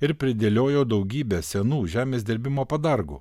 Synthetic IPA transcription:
ɪɾpʲɾʲɪd̪ʲeːlʲoːjoːd̪ɐʊɡʲiːbʲæːsʲɛnuːʒʲæːmʲeːsʲd̪ʲɪɾʲbʲɪmoːpɐd̪ɐɾɡṵː

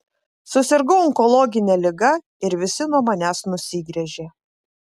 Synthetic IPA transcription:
sʊsʲɪɾɡɔʊɔŋkɔlˠɔːɡʲɪnʲɛlʲɪɡɐ | ɪɾʋʲɪsʲɪnuɔmɐnʲæːsnʊsʲɪɡɾʲɛʒʲeː

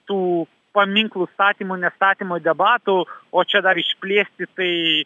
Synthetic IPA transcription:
t̪uː | pɐmʲɪŋklˠʊst̪ɑːt̪ʲiːmuːnʲɛst̪ɑːt̪ʲiːmoːd̪ʲɛbɑːt̪uoːt͡ʃʲɛd̪ɐɾɪʃʲpʲlʲeːsʲt̪ʲɪt̪ɐɪ

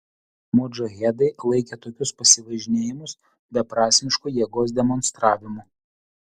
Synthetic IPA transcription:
moːd͡ʒoɣʲɛd̪ɐɪlˠɐɪkʲet̪oːkʲʊspɐsʲɪʋɐʒʲɪnʲeːjɪmʊs | bʲɛpɾɑːsʲɪnʲɪʃkuːjiɛɡoːs̬d̪ʲɛmɔnst̪ɾɑːʋʲɪmu

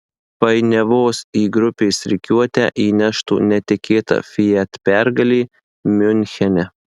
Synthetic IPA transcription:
pɐɪnʲɛʋoːsiːɡɾʊpʲeːsɾʲɪkʲuɔt̪ʲɛ̰ʔiːnʲæʃt̪ṵːnʲɛt̪ʲɪkʲʰeːt̪ɐ̰fʲɪjɛt̪pʲæɾɡɐlʲiː | mʲʊnʲxʲɛnʲɛ

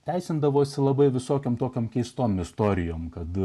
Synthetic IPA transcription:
t̪ʲæɪsʲɪnd̪ɐʋoːsʲɪlˠɐbɐɪʋʲɪsoːkʲoːmt̪oːkʲoːmkʲɛɪst̪oːmɪst̪oːɾʲɪjoːmkɐt̪

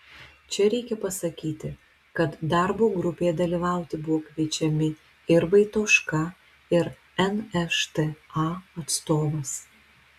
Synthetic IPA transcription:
t͡ʃʲɛɾʲɛɪkʲɛpɐsɐkʲiːt̪ʲɪ | kɐt̪d̪ɑˑɾboːɡɾʊpʲeːjɛd̪ɐlʲiːʋɑˑʊt̪ʲɪbʊʋoːkʋʲiɛt͡ʃʲɛmʲɪ | ɪɾʋɐɪt̪oːʃkɐ | ɪɾ | ɛnɛʃt̪eɑɐt̪st̪oːʋɐs

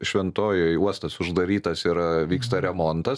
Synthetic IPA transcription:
ʃʲʋʲɛnt̪oːjojuɔst̪ɐsʊʒd̪ɐɾʲiːt̪ɐsɪɾʋʲiːkst̪ɐɾʲɛmont̪ɐs

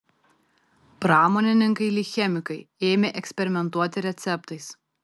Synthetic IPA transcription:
pɾɑːmoːnʲɪnʲɪŋkɐɪlʲiːxʲɛmʲɪkɐɪeːmʲeːʔɛksʲpʲɛɾʲɪmʲɛnt̪uɔt̪ʲɪɾʲɛt̪sʲɛpt̪ɐɪs

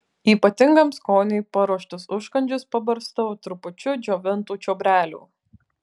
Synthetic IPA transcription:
iːpɐt̪ʲɪŋɡɐmskoːnʲɛɪpɐɾuɔʃʲt̪ʲʊsʊʃkɐnʲd͡ʒʲʊspɐbɐɾst̪ɐʋoːt̪ɾʊpʊt͡ʃʲʊd͡ʒʲoːʋʲɪnt̪uːt͡ʃʲoːbʲɾʲæːlʲṵː

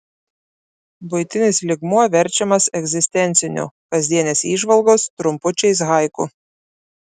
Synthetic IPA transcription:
bʊɪt̪ʲɪnʲɪslʲɪɡmuɔʋʲɛɾʲt͡ʃʲɛmɐsɛɡzʲɪsʲt̪ʲɛnʲt̪sʲɪnʲʊ̰kɐzʲd̪ʲiɛnʲeːsiːʒʋɐlˠɡoːst̪ɾʊmpʊt͡ʃʲɛɪs̬ɣɐɪkʊ̰

